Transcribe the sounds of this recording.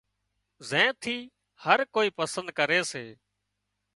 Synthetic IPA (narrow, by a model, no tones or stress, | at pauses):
zẽːt̪ʰiː | həɾkoːiːpəsənd̪̚kəɾeːseː